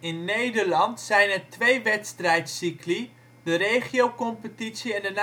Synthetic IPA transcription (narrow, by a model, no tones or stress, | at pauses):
ɪnːejdərlɑntsɛjnɛrtʋejʋɛtstrɛjtsikli | dərejχiowkɔmpətitsiɛndən